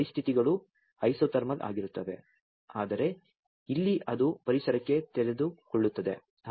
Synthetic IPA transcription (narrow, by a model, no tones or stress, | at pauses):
ɾist̪ʰit̪iɡɐɭu | ɐjsoːt̪ɐɾmɐd̪a̰ːɡiɾut̪ːɐʋe̞̰ | aːd̪ɐɾe̞ | ilːiʔɐd̪upɐɾisɐɾɐkːe̞t̪ɛɾe̞d̪ukɔɭːut̪ːɐd̪e̞